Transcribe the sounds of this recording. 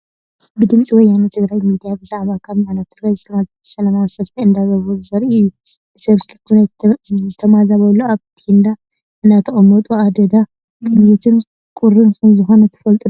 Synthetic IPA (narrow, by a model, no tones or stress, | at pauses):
bɨd̪ɨmt͡sʼiwɔjanut̪ʰɨɡɾajmid̪ijabɨzaʕβakʰaβmaʕnɐt̪ʰːɨɡɾajzɨt̪ʰɐmazabsɐlɐmawisɐlt̪iɨnd̪aɡɐβobɨzɐɾiʔɨjːu | b̥ɨsɐβkʰi̥kʰu | ɨt̪ʰɐmazaβɐlːoaβt̪ʰind̪a | ʔɨnd̪at̪ʰɐχʼɐmːot̪ʼuad̪ɐd̪a | t̪ʼɨnet̪ʰɨn | kʼuɾɨnkʰɐmzɨxo̞nɐt̪ʰɨ̥fɐlt̪ʼu